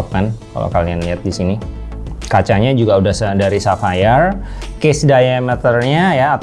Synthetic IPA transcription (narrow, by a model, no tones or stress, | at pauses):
p̚kanka̰lo̰kalianliat̪̚disini | kat͡ʃaɲad͡ʒuɡaudahsədaɾisafajər | kɪsdajamɛt̪ərɲajaːt̪